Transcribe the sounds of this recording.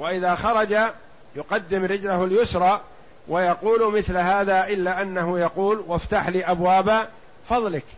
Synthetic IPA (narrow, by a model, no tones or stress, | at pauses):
waʔɪðaːxɑɾˤɑd͡ʒa | jʊqɑd̪ːɪmɾɪd͡ʒlahaljʊsɾˤɑː | wʔajɑquːlmɪθlɦaːðaːʔɪlːaːʔanːaɦʊjɑquːlwaft̪aħliːʔabwaːba | fɑðˤlɪk